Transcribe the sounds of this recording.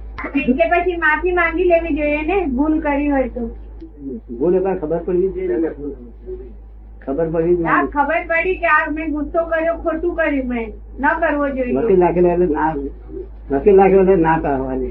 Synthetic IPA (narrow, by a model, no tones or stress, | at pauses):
ɪnkepət͡ʃʰimaːpʰimãːŋɡileːʋid͡ʒoienebulkəɾiɦoit̪o | bulekakʰəbəɾpəɽid͡ʒe | kʰəbəɾpəɽid͡ʒaːkʰəbəɾpəɽikeaːbmɛ̃ɡʊsokəɾd͡ʒokʰoːʈukəɾjũmɛ̃ | nəkəɾʋod͡ʒoiməilakʰelelena | məsilakʰelenataɦani